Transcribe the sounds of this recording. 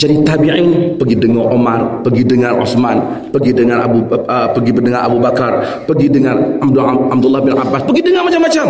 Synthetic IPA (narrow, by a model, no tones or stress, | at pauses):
d͡ʒadit̪abiʕɪmpəɡidəŋɔʔomarpəɡidəŋanʔo̰sman | pəɡidəŋana̰buəpəɡibədəŋaɾʔa̰bubakar | pəɡidəŋanadanab̚dulːahbɪnʔa̰baspəɡidəŋanmat͡ʃamːat͡ʃam